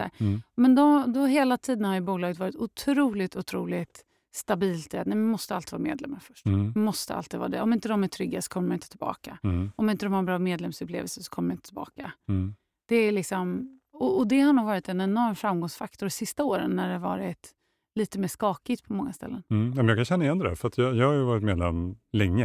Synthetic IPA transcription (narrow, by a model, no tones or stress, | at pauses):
æ̰mɛnd̪ɔd̪ɔɦeːlat̪ʰiːd̪ənhaɾjʏbuːlɑːɡət̪vɑːɾɪt̪ʊt̪ʰɾuːlɪɡt̪ʊt̪ʰɾuːlɪt̪ | st̪abiːlt̪̚ɛat̪nɛmamɔst̪əalt̪ɪ̥vɑːɾmḛːd̪lɛ̰mːaɾfœʂʈmmɔst̪əa̰lt̪ɪːvɑ̰ːd̪ɛ̰ɔmɪnt̪əd̪ɔmæʈ̪ʰɾʏɡːasɔ̥kʰɔmːəmnɪnt̪ət̪ʰɪlbɑ̰ːkaɔmɪnt̪əd̪ɔmhaɾɛbɾɑːmeːd̪lɛmsɵplḛːvəlsəsɔ̥kʰɔmːəmaɪnt̪ət̪ʰɪlbɑ̰ːka | d̪̥ɛælɪksɔm | ɔɔd̪ɛhaɳuːɡvɑːɾɪt̪ɛnɛnɔɾmfɾamɡɔŋsfakt̪ʰɔɾsɪst̪aoːɾə̰nːæɖɛhavɑ̰ːɾɪt̪ | liːt̪əmeːʂkɑːkɪt̪pʰɔmɔŋːast̪ɛ̰lːənnɛmɛnjɑːkʰanɕɛnːajɛnd̪ədæ̰ɾfœɾat̪jɑjɑhaɾjɵvɑːɾɪt̪meːd̪lɛmlɛŋːə